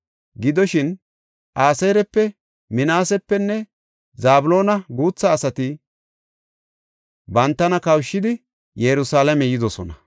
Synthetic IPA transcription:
ɡɪd̪ɔʃɪn | ʔaːseːɾɛpːɛ | mɪnaːsɛpːɛnːɛ | zaːbʊlo̞ːnɐɡuːt͡sːɐːsɐt̪ɪ | bɐnt̪ːɐnɐkɐwʃːɪd̪ɪ | jɛɾʊsaːlɐmɛjɪd̪ɔsɔnɐ

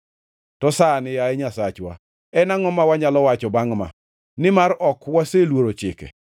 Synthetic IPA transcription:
tɔsanɪjaɛɲasat͡ʃwa̰ | ɛnaŋɔmawaɲalɔwat͡ʃɔbaŋma̰ | nɪmaɾɔkwaselwoɾot͡ʃɪ̰kɛ̰

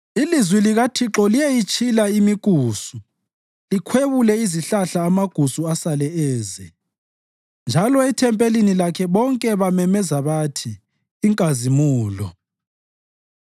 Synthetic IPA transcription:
ilizwiliɣatʰiǁɔlijejit͡ʃʼʰilaimiɡ̥ʼʱuːsu | likʰweβulɛiziɬaɬaːmaɡ̥ʱusuasalɛɛːzɛ | nd͡ʒʱalɔɛtʰɛmpʼelinilakʰɛβɔŋkʼɛβamɛmɛzaβatʰiː | ŋkʼazimuːlɔ̰

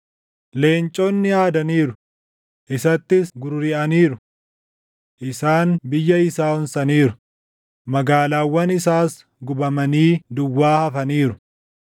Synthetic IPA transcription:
le̞ːnt͡ʃʼɔnːɪjaːd̪ɐniːɾʊ | ʔɪsɐt̪ːɪsɡʊɾʊɾɪʔɐniːɾʊ | ʔɪsaːnbɪjːɐɪsaːʊnsɐniːɾʊ | mɐɡaːlaːwːɐnɪsaːs | ɡʊbɐmɐniːd̪ʊwːaːhɐfɐniːɾʊ

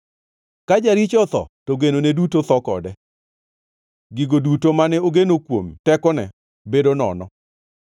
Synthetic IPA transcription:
kad͡ʒaɾit͡ʃɔt̪ɔ̰toɡenonedutot̪ɔkɔ̰dɛ | ɡɪɡodutomanɛoɡenokwomtɛkɔnɛ | bedonɔ̰nɔ

